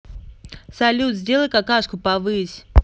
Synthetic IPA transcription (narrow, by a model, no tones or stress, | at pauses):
sɐlʲut̪zʲdʲelˠəjʲkakaʂkʊpavɨsʲ